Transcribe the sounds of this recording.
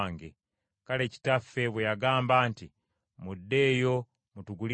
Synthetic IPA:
ŋɡe | kale̞ːci̥tafːe̞βwejaɡaːmbaːnti | mudːe̞ːjo̞ | mutuɡuli

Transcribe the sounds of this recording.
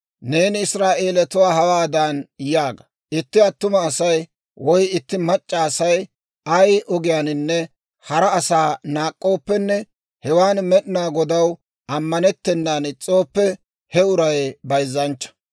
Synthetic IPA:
ne̞ːnɪɪsɾaːʔe̞ːlɛt̪ʊwaːɦɐwaːd̪anjaːɡɐ̥ | ɪt̪ːɪɐt̪ːʊmɐːsɐj | wɔjɪt̪ːɪmɐt͡ʃʼːaːsɐj | ɐjʔɔɡɪjaːnɪnːɛ | hɐɾɐːsaːnaːkʼːo̞ːpːɛnːɛ | hɛwaːnmɛɗɪnaːɡɔd̪ɐw | ɐmːɐnɛt̪ːɛnːaːnɪt͡sʼːo̞ːpːɛ | hɛʊɾɐjbɐjzːɐnt͡ʃːɐ̥

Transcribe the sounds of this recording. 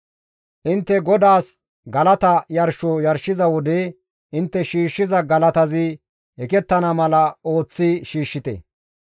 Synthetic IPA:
ʔɪnt̪ːɛɡɔd̪aːs | ɡɐlɐt̪ɐjɐɾʃɔjɐɾʃɪzɐwɔd̪e | ʔɪnt̪ːɛʃiːʃːɪzɐɡɐlɐt̪ɐzɪ | hɛkɛt̪ːɐnɐmɐlɐo̞ːt͡sːɪʃiːʃːɪt̪ɛ̰

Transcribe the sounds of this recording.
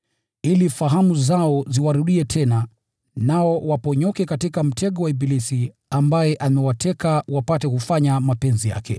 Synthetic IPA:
ilifaɦamuzaɔziwaɾuɗiɛtʰɛna | naɔwapɔɲɔkɛkatikam̩tʰɛɠɔwaibilisi | ambajɛʔamɛwatʰɛkawapatɛkufaɲamapɛnzija̰kʰɛ̰

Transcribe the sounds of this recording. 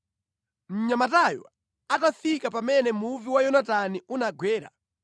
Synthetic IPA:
m̩ɲamatajɔ̰ | atafikapamɛnɛmuviwajɔnataniunaɡwɛːɾa̰

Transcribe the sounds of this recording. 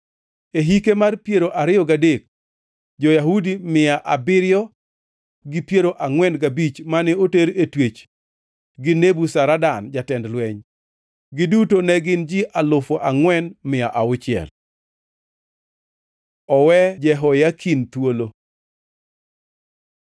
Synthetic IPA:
eɦikemarpjeɾoʔaɾɪɔɡadek̚ | d͡ʒɔjaɦudimɪjaʔabɪɾɪjɔ | ɡɪpjeɾoʔaŋwɛnɡabit͡ʃmanɛoteɾetwet͡ʃ | ɡɪnebusaɾadand͡ʒatɛndlwɛɲ | ɡɪdutonɛɡɪnd͡ʒiʔalʊfɔʔaŋwɛnmɪaʔaʊt͡ʃɪɛ̰l | ɔwɛd͡ʒɛɦɔjakʰint̪wolo

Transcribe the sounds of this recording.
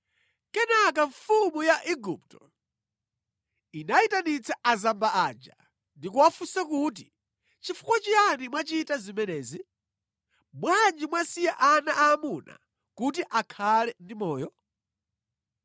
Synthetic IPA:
kɛnak̬aɱfumujaʔiɡup̚tɔ | inaitanit͡sʰɛʔazambaad͡ʒa | ndikuwafusakut̬i | t͡ʃifu̥kwat͡ʃianimwat͡ʃitazimɛnɛːzi | mwand͡ʒimwasijɛʔanaʔaːmuna̰ | kut̬iʔakʰalɛndimɔːjɔ

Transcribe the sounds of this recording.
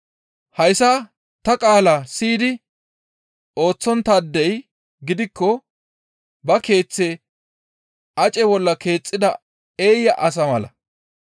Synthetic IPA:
hɐjsaː | t̪ɐkʼaːlaːsiːd̪ɪ | o̞ːt͡sːɔnt̪aːd̪ːɛj | ɡɪd̪ɪkːɔ | bɐke̞ːt͡sːɛ | ʔɐt͡ʃʼɛbɔlːɐke̞ːt͡sʼːɪd̪ɐ | eːjːɐʔɐs̬ɐmɐlɐ̰

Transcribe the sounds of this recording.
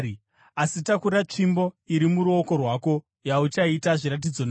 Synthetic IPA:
asitakuɾat͡ʂimbo̞iɾimuɾuo̞ko̞rwaːko̞ | jaut͡ʃaitaʐiɾat̬id͡zo̞na

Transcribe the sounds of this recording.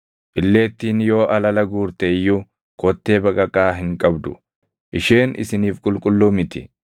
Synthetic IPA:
ʔɪlːe̞ːt̪ːiːnjoːʔɐlɐlɐɡuːɾt̪ejːʊ | kɔt̪ːe̞ːbɐkʼɐkʼaːɦɪŋkʼɐbd̪ʊ̰ | ʔɪʃe̞ːnʔɪ̰sɪniːfkʼʊlkʼʊlːʊmɪt̪ɪ̰

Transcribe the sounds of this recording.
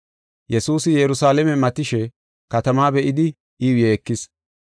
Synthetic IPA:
jɛsuːsɪjɛɾʊsaːlɛmɛmɐt̪ɪʃɛ | kɐt̪ɐmaːbɛʔɪd̪ɪ | ɪjeːkːɪs

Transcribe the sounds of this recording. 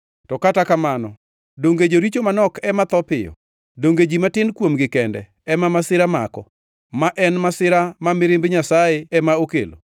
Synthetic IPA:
tɔkatakamanɔ | doŋɡed͡ʒoɾit͡ʃomanɔkɛmat̪ɔpɪjɔ̰ | doŋɡed͡ʒimatɪnkwomɡɪkɛndɛ̰ | ɛmamasɪɾama̰kɔ | maʔɛnmasɪɾamamɪɾɪmbɲasajeɛmaokḛlo̰

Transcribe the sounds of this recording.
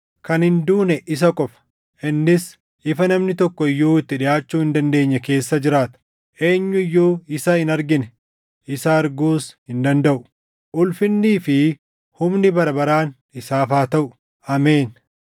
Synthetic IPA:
kɐnhɪnd̪uːnɛʔɪs̬ɐkʼɔfɐ̥ | ʔɪnːɪs | ʔɪfɐnɐmnɪt̪ɔkːɔɪjːuːɪt̪ːɪᶑɪjaːt͡ʃːuːhɪnd̪ɐnd̪e̞ːɲːɐke̞ːsːɐd͡ʒɪɾaːt̪ɐ̥ | ʔe̞ːɲːʊɪjːoːɪsɐɪnɐɾɡɪnɛ | ʔɪsɐːɾɡuːshɪnd̪ɐnd̪ɐʔʊ̥ | ʔʊlfɪnːiːfɪ | hʊmnɪbɐɾɐbɐɾaːn | ɪsaːfaːt̪ɐʔʊ | ɐmeːn

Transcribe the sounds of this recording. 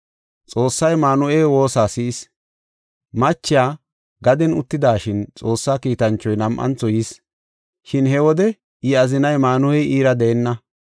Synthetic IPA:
t͡sʼo̞ːsːɐjmaːnʊʔeːwo̞ːsaːsɪʔɪs | mɐt͡ʃːɪjaː | ɡɐd̪ɛnʊt̪ːɪd̪aːʃɪnt͡sʼo̞ːsːaːkiːt̪ɐnt͡ʃːɔjnɐmʔɐ̰nt͡sɔjɪs | ʃɪnhɛwɔd̪ɛ | ɪɐzɪnɐjmaːnʊɛjiːɾɐd̪ɛɛnːɐ

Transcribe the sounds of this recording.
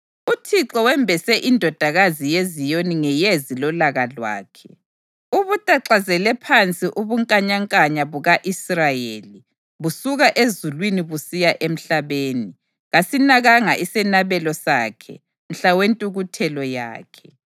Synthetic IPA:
utʰiǁɔwɛmbʱɛsɛʔindʱɔd̥ʱaɣazijezijoniŋɛjezilɔlaɣalwa̰ːkʰɛ | uβutʼaǁazɛlɛpʰant͡sʼiʔuβuŋkʼaɲaŋkʼaɲaβuɣaʔisrajeli | βusuɣaʔezulwiniβusijaʔem̩ɬaβeːni | ɣasinaɣaŋaʔisɛnaβɛlɔsaːkʰɛ̰ | n̩ɬawentʼuɣutʰɛlɔja̰ːkʰɛ̥

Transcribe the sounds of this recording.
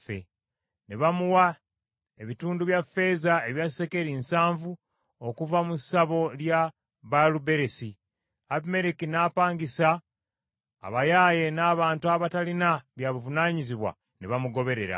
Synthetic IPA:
fḛ | neβamuwa | eβituːnduβjafːe̞ːzaeβjae̞ke̞ɾiːnsaːɱvu | okuvamusaβo̞lja | βalube̞ɾe̞si | aβime̞ɾikinaːpaːŋɡisaː | βajaːje̞naːβaːntuaβatalinaβjaβuvunaːɲiziβwa̰ | neβamuɡo̞βe̞ɾe̞ɾa̰

